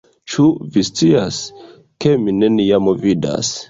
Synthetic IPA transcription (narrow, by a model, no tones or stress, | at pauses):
t͡ʃuvist͡sias | ke̞mine̞nijamovida̰s